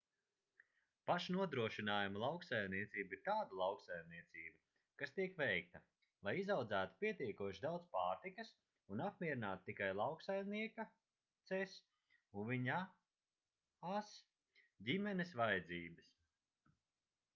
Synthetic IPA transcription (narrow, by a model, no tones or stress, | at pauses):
paʃnuɔd̪ɾuɔʃinaːjumulˠawksajmniɛt̪siːbiɾt̪aːd̪alˠɑwksajmniɛt̪siːba | kast̪iɛkvɛjk̚t̪ɐ | lˠajizawd̪zæːt̪u̥pʲiɛt̪iɛkuɔʃid̪awd̪spaːɾt̪ikɐs | unap̚mʲiɛɾinaːt̪u̥t̪ikajlˠɑwksajmniɛka | t̪sɛs | unviɲa | as | ɟʲimɛnesvajd̪ziːbɐs